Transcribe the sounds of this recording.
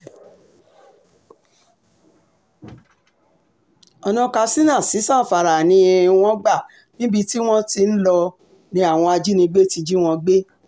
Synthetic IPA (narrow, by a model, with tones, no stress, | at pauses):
ɔ˧nɔ̃˧ka˧si˦nã˦˨si˨˦sã˦˨fa˨ɾa˨nĩ˧˦e˧w̃ɔ̃˦ɡ͡ba˦˨ | nĩ˦bi˧ti˦w̃ɔ̃˦ti˧n̩˦lɔ˧ | nĩ˧˦a˦˨w̃ɔ̃˧a˧d͡ʒi˦nĩ˧ɡ͡be˦ti˧d͡ʒi˦w̃ɔ̃˧ɡ͡be˦